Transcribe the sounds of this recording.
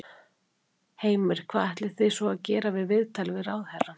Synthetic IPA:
heːjmɪɾ̥kʰv̥aːðɛht̪lɪ̥θɪsɔaðcɛːɾavɪðvɪðt̪ʰajlvɪɾawðhɛra

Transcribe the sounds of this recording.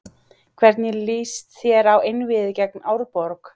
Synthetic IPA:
kʰvɛɾt̪njɛliːst̪θjɛɾawejnvɪðɪcɛknaːwɾpɔɾk

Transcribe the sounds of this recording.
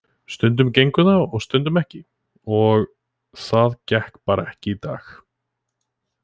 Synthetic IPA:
st̪ʏnt̪̬ʏmcejŋkʏnaɔɣst̪ʏnt̪ʏmɛhcɪ | ɔɣ | θaðcɛhkpaːɾaɛhcɪit̪a̰ːx

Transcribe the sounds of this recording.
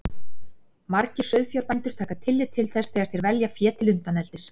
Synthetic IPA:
maɾcɪ̥sœɥfjaɾpant̪ʏɾ̥t̪ʰaːkat̪ʰɪlːɪt̪ʰːɪlθɛsθɛːɣaɾ̥t̪ɪɾvɛljafjɛːt̪ɪlʏnt̪anɛlt̪ɪs

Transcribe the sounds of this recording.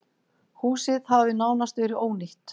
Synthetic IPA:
huːsɪðhavvɪnaːwnast̪vɛɾɪoːwnɪht̪

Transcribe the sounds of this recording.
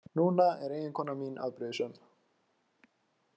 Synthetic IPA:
nuːnaɛɾeːjɪnkʰɔːnːaminʔa̰ðpɾɪːsʏm

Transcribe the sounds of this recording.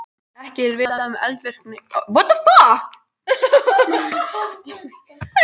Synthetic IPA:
ɛhcɪɾvɪːðaaʏmɛ̰lt̪vɪr̥k̚nɪvɔt̪aθa

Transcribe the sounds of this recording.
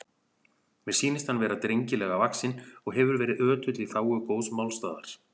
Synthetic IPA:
mɛ̥siːnɪst̪hanvɛːɾat̪ɾejɲcɪlɛɣavaksɪnɔɣɦɛvʏɾvɛːɾɪðœːt̪ʏt̪liθaːwʏkoːwsmawlst̪aːða̰ɾ̥

